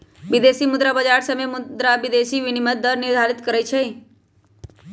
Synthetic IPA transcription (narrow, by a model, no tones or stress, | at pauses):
ʋɪd̪eːsimʊd̪ɾabəd͡ʒaːɾsəmemʊd̪ɾabɪd̪eːsiʋɪnimət̪̚d̪əɾnɪɾd̪ʱaːɾɪt̪kəɾəjt͡ʃʰei